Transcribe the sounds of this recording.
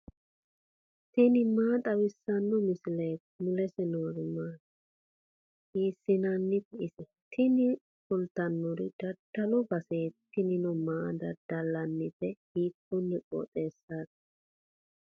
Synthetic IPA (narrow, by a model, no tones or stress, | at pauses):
t̪ɪnɪmaːt̪ʼɐwɪsːɐnːɔmɪsɪleːt | mʊlɛsɛnoɾɪmaː | hiːsːɪnanːɪtɛʔɪsɛ | t̪ʰɪnɪ | sʊlt̪ɐnːɔɾɪd̪̥ɐd̪̥ɐlɔbɐseːt̪ːɪnɪnɔmaːd̪ɐd̪̥ɐlːɐnːɪfɛhiːkːɔnːɛkʼo̰ːt̪ʼe̞ːsːaːd̪